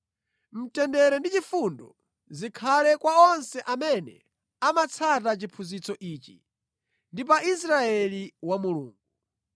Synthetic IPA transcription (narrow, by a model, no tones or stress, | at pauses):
m̩tɛndɛɾɛndit͡ʃifundɔ | zikʰalɛkwaɔnsɛʔamɛnɛ̰ | amat͡sʰatat͡ʃipʰuzit͡sɔʔiːt͡ʃi | ndip̬ais̬ɾaɛliwamulṵːŋɡu